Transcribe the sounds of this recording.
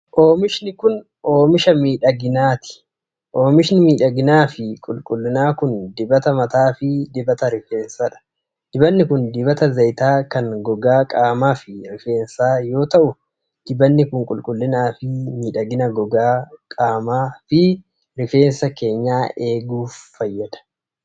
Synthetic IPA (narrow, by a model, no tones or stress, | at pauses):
ʔoːmɪʃnɪkʊn | oːmɪʃɐmiːᶑɐɡɪnaːt̪ɪ̥ | ʔo̞ːmɪʃnɪmiːᶑɐɡɪnaːfɪkʼʊlkʼʊlːɪnaːkʊnd̪ɪbɐt̪ɐmɐt̪aːfɪd̪ɪbɐt̪ɐɾɪfeːnsɐᶑɐ̥ | d̪̥ɪbɐnːɪkʊnd̪ɪbɐt̪ɐzɐjt̪aːkɐnɡɔɡaːkʼaːmaːfɪɾɪfe̞ːnsaːjo̞ːt̪ɐʔʊ | d̪̥ɪbɐnːɪkʊŋkʼʊlkʼʊlːɪnaːfɪmiːᶑɐɡɪnɐɡɔɡaːkʼaːmaːfɪ | ɾɪfe̞ːnsɐke̞ːɲːaːʔe̞ːɡuːfːɐjːɐd̪ɐ̥